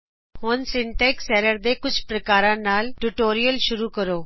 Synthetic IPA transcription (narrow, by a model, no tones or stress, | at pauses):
hoːnsɪɳʈeksɛɾəɾd̪ekʊt͡ɕʰpɾəkaːɾãnaːlʈuʈoːɾijəlɕʊɾuːkəɾoː